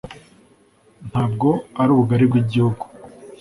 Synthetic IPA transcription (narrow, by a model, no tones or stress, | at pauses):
n̥haːb̚ɡo̞aɾuːβuɡaɾibɡiɟihuɡu